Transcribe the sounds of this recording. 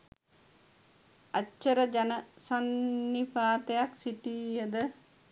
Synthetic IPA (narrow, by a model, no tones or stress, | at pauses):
at͡ʃːəɾəd͡ʒanəsanːifaːt̪ejaksiʈiːjəd̪ə